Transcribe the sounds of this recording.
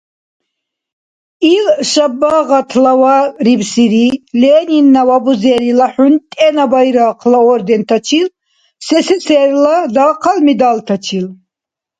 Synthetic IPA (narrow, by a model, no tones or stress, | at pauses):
ilʃabːaʁat̪ʰlawaɾibsiɾilɛːninːawabuzɛːɾilaħunt̪ʼɛnabajɾaːqʰlaɔɾd̪ɛnt̪ʰat͡ʃʰil | sɛsɛsʰɛːɾlad̪aːqʰalmid̪alt̪ʰat͡ʃʰil